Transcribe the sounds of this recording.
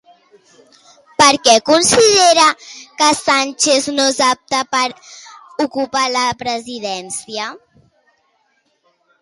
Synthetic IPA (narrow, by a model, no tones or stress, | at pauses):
pəɾkɛkunsiðeɾəkəsanʲt͡ʃeznozap̚t̪apəɾ | ukupaləpɾəziðɛnsiə